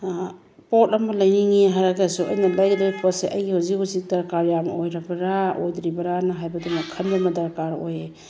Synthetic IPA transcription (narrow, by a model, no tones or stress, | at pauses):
potɐmɐlɐjniŋiɦaɾaɡasuʔɐ̰jnɐlajdɾapʰɔseʔɐjɡihuzikhuzik̚dɐɾkaɾjam̰ojɾɐbɐɾaojdɾibɐɾanɐɦajbɐdumɐkʰɐndamɐdɐɾkaɾo̰je